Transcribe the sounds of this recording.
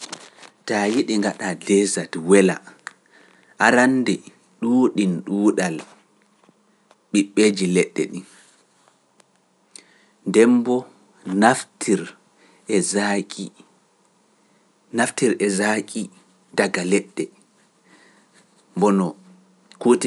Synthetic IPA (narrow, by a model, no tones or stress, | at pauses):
tajiɗiŋɡaɗadɛzatwɛla̰ | ʔaɾandɛ | ɗuːɗinɗuːɗal | ɓiɓːeːd͡ʒilɛɗːɛ̰ɗin | ndɛmbɔ | naftʰiɾ | ɛzakʼi | naftiɾɛzakʼi | daɡalɛɗːɛ | mbɔnɔ | kut